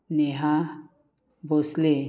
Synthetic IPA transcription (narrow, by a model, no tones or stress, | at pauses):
neɦa | bɔsle